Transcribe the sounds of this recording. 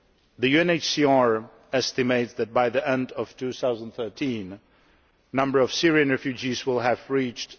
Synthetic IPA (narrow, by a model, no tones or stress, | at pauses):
ðɨjʉɛ̃neɪt͡ʃsiɑɹ | ɛstɨmeɪtsðɨt̚baɪðiɛ̃ndʌv̥tʰuθaʊzə̃nd̪θɜ˞tʰĩn | nʌ̃mbə˞ʌv̥sɪɹiɨ̃nɹɛfjʉd͡ʒizwɪlˠɨvɹit͡ʃt